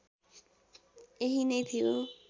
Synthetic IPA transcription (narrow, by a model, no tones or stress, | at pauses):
eɦinʌjt̪ʰijo